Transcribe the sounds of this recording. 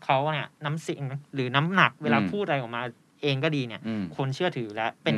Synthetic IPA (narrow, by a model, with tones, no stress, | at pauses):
kʰa˦˥wni˥˩ɐna˦˥msi˨˩˦ŋɾɯː˩˦na˦˥mna˨˩k̚weː˧laː˧pʰuː˥˩t̪̚ʔa˧jʔɔː˨˩k̚maː˧ | ʔeː˧ŋkɔː˥˩diː˧ni˥˩ɐkʰo˧nt͡ɕʰɯ˥˩ɐt̪ʰɯː˩˦lɛ˦˥pe˧n